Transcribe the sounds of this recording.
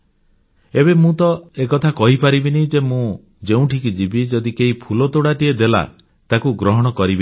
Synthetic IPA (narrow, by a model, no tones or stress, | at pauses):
ebemũt̪ɔekɔt̪ʰakɔɦipaɾibinid͡ʒemũ | d͡ʒeũʈʰikid͡ʒibid͡ʒɔd̪ikeɦipʰulɔt̪oɽaʈied̪ela̰ | t̪akuɡɾɔɦɔɽ̃ɔkɔɾibi